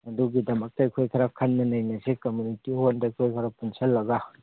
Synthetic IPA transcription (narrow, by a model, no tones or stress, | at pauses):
ɐduɡidɐmɐk̚tɐɐjkʰojkʰɐɾakʰɐnːɐnɐjnɐsekɐmjunitihondɐkʰojkʰɐɾapunsɐlːɐɡa